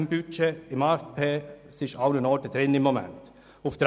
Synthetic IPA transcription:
mbyt͡ʃeɪmɑɛpʰeːsɪʃaʊnənɔɾtəd̥̪ɾɪnɪmːomɛ̰nt | ʊfd̥ɾ

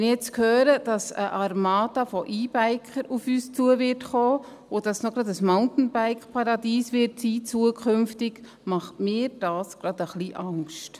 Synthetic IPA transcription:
nɪjɛt͡skhøːɾəd̥ɑsə̰ʔɑɾmɑːdɑfɔʔiːb̥æɪkχəɾufyːst͡suəvɪɾtχoː | od̥ɑsnɔɡɾɑdəsmaʊntn̩baɪkχpʰɑɾɑdiːsʋɪɾtsiːt͡suəkχʏmftɪɡ | mɑχtmɪːɾd̥ɑːsɡ̥ɾɑd̥əχliʔɑŋʃt

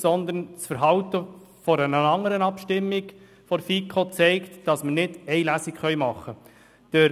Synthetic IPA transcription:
sɔnd̪ənt͡sfəɾɦɑwt̪ə | fɔɾənəɑŋːəɾənɑpʃtɪmːiɡ | fɔɾfiːkʰot͡sɛɪktd̥ɑsmənɪdɛɪlæsikχœɥmɑχːə | d̥ə

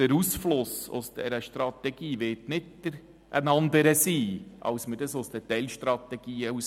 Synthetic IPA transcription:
əɾusflʊsʊ̰sd̥ɛ̰ɾəʃtɾɑt̪ɛɡ̥iːʋɪtnɪtd̥əɾ | ʔə̰nɑnd̪əɾəsiːɑ̰wsmədəsʊsd̥̪ətɛlʃtɾɑt̪ɛɡ̥iːəus

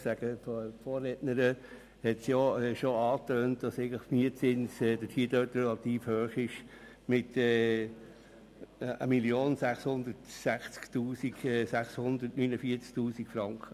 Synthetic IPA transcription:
sæɡ̥əffoːɾːɛtnəɾə | hɛtsjoɛʃoɑːtøːnt̚d̥ɑseɪɡŋ̩ləmiət͡sɪnsɛːdətʰhiːdøːtɾɛlɑt̪iːfhøːχɪʃ | mɪtɛː | ə̰milioːnsæχshʊnd̪ətsæχt͡sktuːsiɡɛsæχshʊnd̪ətnynəfiːət͡sktuːsikfɾɑŋkχə

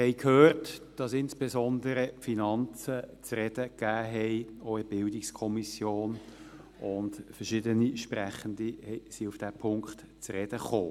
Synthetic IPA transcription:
hɛɪkʰhøːrtd̥ɑsɪnsb̥ezɔndəɾəfinɑnt͡sət͡srɛd̥əkæːɦɛɪoɪb̥ɪldɪkskʰɔmisjoːn | ʊndfəʃɪdəniʃprɛχəndihɛsiufd̥æpʰʊŋkt | t͡srɛd̥əχoː

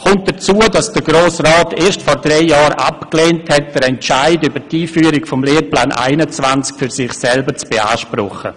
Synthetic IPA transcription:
kʊnt̚d̥ət͡suədɑsd̥əɡɾoːsraːtʰeːʃtfɔɾdrɛɪjɑːɾa̰pkleːnthɛt̚d̥əɾɛnt͡ʃaɪdybətiːfyːəɾɪkfɔmleːplaːnʔa̰ɪnət͡svant͡skfyɾsɪχsɛlbət͡sb̥ea̰ːʃprɔ̰χə̰

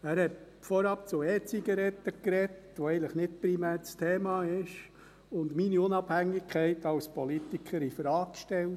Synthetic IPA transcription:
æːɾhɛt | fɔɾɑp̚t͡sʊɛːt͡siɡɑɾɛtːəkɾɛt | ʋɔɛɪnləχnɪt̚pɾimæːɾt͡stʰeːmɑːɪʃ | ʊndminiʊnɑb̥hæŋːɪkχɛɪtɑwspɔlitikʰəɾifɾɑːkʃtɛl

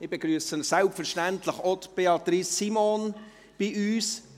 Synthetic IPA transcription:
ɪbeɡɾyəsənsælpfəɾʃtænt̪ləχɔt̪b̥eɑt̪ɾisːimon | b̥iʔyːs

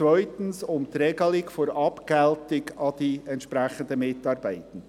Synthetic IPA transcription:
t͡svœʏtən̩sʊmt̪ɾɛɡəlɪkfɔɾɑpkɛltɪɡɑd̥iɛntʃpɾæχənd̪əmɪtɑːɾbæɪtən̩

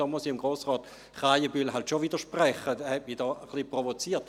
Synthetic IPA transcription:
ɔːmusiɪmɡʁoːsʁɔːt̪ | χaɪjəbylɦaltʃoviːdəʁʃpʁɛχədɛhɛtmidɔːəχlipʁovot͡siːɐt

